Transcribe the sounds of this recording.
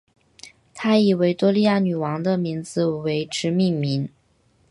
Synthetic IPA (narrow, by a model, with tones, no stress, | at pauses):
t̪ʰa˥i˨˩we˧˥ɪt̪wɔ˥li˥˧ja˥˩ny˨˩wɑ˧˥ŋd̪ə˧mi˧˥ŋd͡zɹ̩˧we˧˥ɪʈ͡ʂʰɻ̩˧˥mi˥˩ŋmi˧˥n